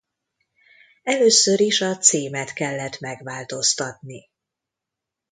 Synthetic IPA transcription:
ɛløːsøɾiʃɒt̪siːmɛt̪kɛlːɛt̪mɛɡʋaːlt̪o̞st̪ɒt̪̚ni

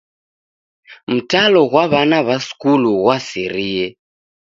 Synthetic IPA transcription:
m̩talɔɣwaβanaβaskuluɣwasiɾiɛ

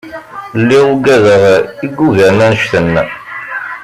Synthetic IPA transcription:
lːiʁuɡæðəʁiɡːuʝæɾnænəʃθənː

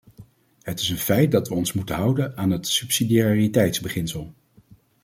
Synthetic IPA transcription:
hɦətɪsənfɛjt̚dɑtʋəɔnsmutənɦʌwdənaːnɦətsʉpsidiaritɛjtzbəχɪnsəlˠ

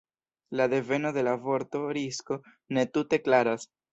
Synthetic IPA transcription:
lade̞ve̞no̞de̞lavo̞ɾto̞ɾisko̞ | ne̞tute̞klaɾas

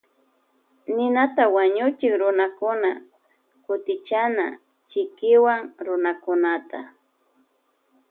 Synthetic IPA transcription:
nɪnat̪awaɲʊt͡ʃɪkɾʊnakʊna | kʊt̪ɪt͡ʃana | t͡ʃɪkɪwaŋɾʊnakʊnat̪a

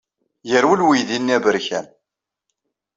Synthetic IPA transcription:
jəɾwəlwiðinːiævəɾçæ̰n

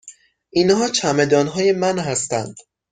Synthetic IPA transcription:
ʔinhɒːt͡ʃʰæme̞d̪ɒːnɦɒːje̞mænhæst̪æ̰nd̪̥

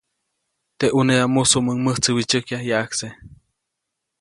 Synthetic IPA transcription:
t̪eʔuneamusuʔməŋməht͡səwit͡ʃəkjajaʔakse

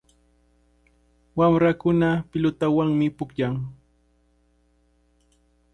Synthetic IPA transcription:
wamɾakʊnapɪlʊt̪awaŋmɪpʊkjaŋ

